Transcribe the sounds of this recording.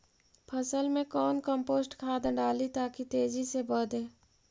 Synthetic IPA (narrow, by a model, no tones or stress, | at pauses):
pʰɐsəlmẽkɔːnkə̃mpoːsʈkʰaːd̪ɖaːlit̪aːkit̪eːd͡ʒisebəːd̪ẽː